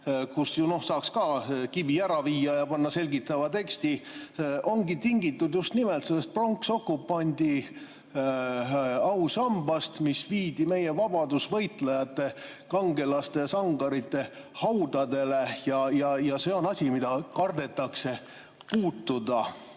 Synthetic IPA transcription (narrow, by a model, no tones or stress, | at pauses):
kusjuno̞hsɑːkskɑːkibiæɾɑviːɑjɑpɑnːɑse̞lʲɡit̪ːˑɑvɑt̪e̞kst̪iʔo̞ŋɡit̪iŋɡit̪ːˑud̪̥just̪nimɛlt̪selːest̪̚pro̞ŋkso̞kːupːɑnʲd̪̥ʲi | ɑwsɑmbɑst̪misviːd̪̥ime̞je̞vɑb̥ɑd̪usvɤjt̪ˑlejɑt̪ːˑe̞ | kɑŋɡe̞lɑst̪e̞sɑŋɡ̥ɑɾit̪ːˑe̞ | hɑwd̪̥ɑd̪e̞le̞jɑjɑjɑse̞ːo̞nɑsʲimid̪̥ɑkɑrd̪e̞t̪ːˑɑkse̞ | puːt̪ːˑud̪̥ɑ